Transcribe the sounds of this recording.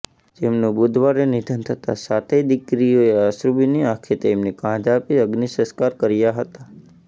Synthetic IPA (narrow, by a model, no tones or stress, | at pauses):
d͡ʒemnũbud̪ʱʋaɾenid̪ʱənt̪ʰət̪asat̪ʰed̪ɪkɾioeaʃɾubiniãkʰet̪eːmnekãd͡ʒapiəɡnisə̃skaɾkəɾjaɦət̪a